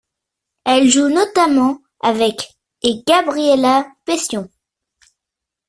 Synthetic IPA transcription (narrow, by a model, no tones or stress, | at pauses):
ɛlʒunɔt̪amɑ̃ | avɛk | eɡ̥abʁielapesjɔ̃